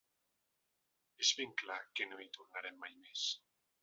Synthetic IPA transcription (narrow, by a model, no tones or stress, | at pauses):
ezβiŋklakenoit̪uɾnaɾemːajmes